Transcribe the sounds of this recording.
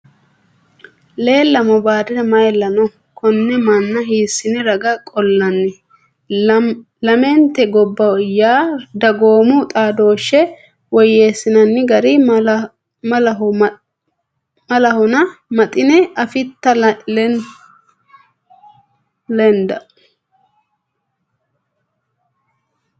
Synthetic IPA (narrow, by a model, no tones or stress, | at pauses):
le̞ːlːɐmɔbaːd̪ɪnɐmɐjlːɐnɔ | kʰɔnːɛmɐnːɐɦiːsːɪnɛɾɐɡɐkʼɔlːɐnːɪ | lɐmɛnt̪ːɛɡɔbːɐwɪjːaːd̪ɐɡoːmʊt̪ʼaːd̪o̞ːʃːɛ | wɔjeːsːɪnɐnːɪɡɐɾɪ | mɐlɐɦɔ | mɐlɐhɔnɐmɐt̪ʼɪnɛɐfɪt̪ːɐ | lɛnd̪ɐ